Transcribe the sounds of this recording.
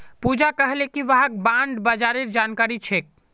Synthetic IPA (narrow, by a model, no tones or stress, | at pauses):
pud͡ʒakəɦlekiʋəɦak̚bãɳɖbad͡ʒaɾeɾd͡ʒankaɾit͡ʃʰek̚